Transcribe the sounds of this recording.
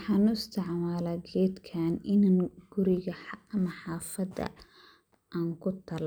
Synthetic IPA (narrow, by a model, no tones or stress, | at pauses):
wħɑːnʊɪst̪ʰɪʕmaːlaːɡɛːd̪kʰaːnɪnaŋɡ̥ʊɾɪɣɐɐmɐħɑːfɐd̪ɐ̰ | ʔaːŋkʰʊt̪ʰɐl